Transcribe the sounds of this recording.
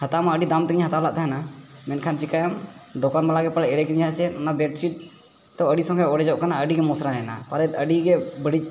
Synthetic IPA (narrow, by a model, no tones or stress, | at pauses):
hat̪amaəɖid̪amt̪ɛkiɲɦat̪ablaʔt̪aɦanamɛnkʰant͡ʃikajamd̪ɔkanbalaɡɛpəlɛʔɛɽɛkiɲɦat͡ʃɛnabɛʈsiʈ̚ | t̪ɛəɖisɔ̃ŋkʰɛɔɽɛd͡ʒɔʔkanaəɖiɡɛmɔsɾaɛna̰paɾɛəɖiɡɛbəɽic̚ˀ